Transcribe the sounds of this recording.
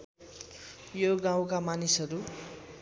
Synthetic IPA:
joɡãw̃kamanisʌɾu

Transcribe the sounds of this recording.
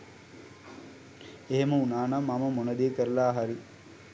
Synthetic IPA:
eɦemɐunaːnɐmːɐmɐmonɐd̪ijekəɾɐlaːɦɐɾi

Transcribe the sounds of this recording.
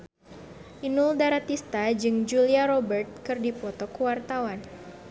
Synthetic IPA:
ʔinuldaɾat̪ist̪ad͡ʒɨŋd͡ʒuliaɾɔbərt̪̚kɨrdipɔt̪ɔkuwart̪awan

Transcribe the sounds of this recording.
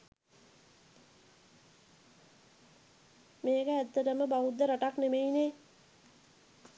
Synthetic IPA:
meːkəæt̪ːəʈəməbaud̪ːəɾaʈaknemejine

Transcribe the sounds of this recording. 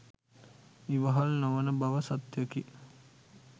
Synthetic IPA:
iʋəɦalnoʋənəbaʋəsat̪jəki

